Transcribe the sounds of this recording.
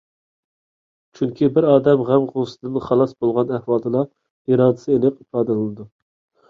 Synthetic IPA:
t͡ʃʰyŋkʲibɪɾɑːd̪ɛmʁɛmʁosɨd̪ɨnχɑlˠɑsbolˠʁɑnæhwɑːd̪ɨlˠɑ | iɾɑːd̪ɨ̥ɪ̥sɨelɪqipɑːd̪ɛlɨlˠɨd̪u

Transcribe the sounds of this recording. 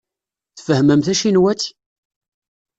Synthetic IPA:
θfəhməmθæʃinwæt̪

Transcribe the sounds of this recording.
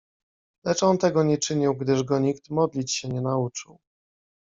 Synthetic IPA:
lɛt͡ʂɔnt̪ɛɡɔɲɛt͡ʂɘɲiwɡd̪ɘʐɡɔɲikt̪mɔd̪lʲit͡ɕɕɛɲɛnaut͡ʂɘw

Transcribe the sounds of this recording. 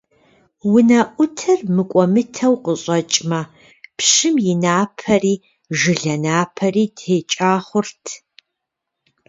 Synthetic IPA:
wʊnɐʔʷʊtʰɐrmɨkʷʼɔmɨtʰɐwqəɕʼɐt͡ʃʼmɐ | pɕɨmjɪnaːpʰɐriː | ʒɨɮɐnaːpʰɐriːdheːt͡ʃʼaːχʷʊrtʰ

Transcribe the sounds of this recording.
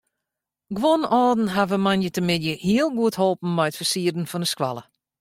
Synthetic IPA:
ɡʋɔnɔːdn̩ɦavəmanjətəmɪdjəhiəlˠɡuətholˠpn̩mɛjtfərsiərdn̩fɔnəskʋa̰lˠə

